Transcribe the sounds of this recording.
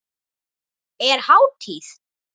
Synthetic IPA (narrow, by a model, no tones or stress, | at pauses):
eɾhaw̚t̪ʰis